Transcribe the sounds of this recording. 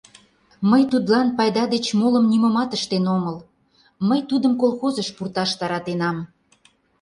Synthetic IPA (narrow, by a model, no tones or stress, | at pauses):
məjt̪ud̪lɑnpɑjd̪ɑd̪et͡ɕmoləmniməmɑt̪əʃt̪enoməl | məjt̪ud̪əmkolxozəʃpurt̪ɑʃt̪ɑɾɑt̪enɑm